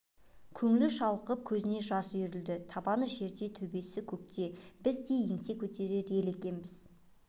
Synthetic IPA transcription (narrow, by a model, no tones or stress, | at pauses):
kʲʰɵŋɪlɪʃɑlˠəqəp̚kʲʰɵzɪne̞ʒɑsjʏɾɪld̪ɪt̪ʰɑbɑnəʒe̞ɾd̪e̞t̪ʰɵbe̞sɪkʲʰɵkt̪e̞b̥ɪzd̪ejeŋse̞kʲʰɵt̪e̞ɾe̞ɾe̞le̞kʲe̞nbɪz̥